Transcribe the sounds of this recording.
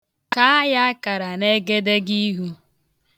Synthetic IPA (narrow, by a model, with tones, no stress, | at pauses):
ka˦a˦ja˦a˦ka˨ɾa˨ne˦ɡe˦de˦ɡi˦ɦu˦